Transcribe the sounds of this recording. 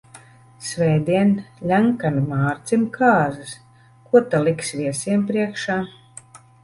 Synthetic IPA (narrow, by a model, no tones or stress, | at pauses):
sʲvʲɛjd̪iɛnlʲaŋkanimaːɾt̪simkʰaːzɨs | kuɔt̪alˠiksvʲiɛsiɛmpɾiɛkʃaː